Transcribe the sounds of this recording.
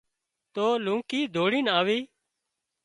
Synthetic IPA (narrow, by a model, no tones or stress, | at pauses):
t̪oːlũːkiːd̪ʱoːɽiːnaːʋiː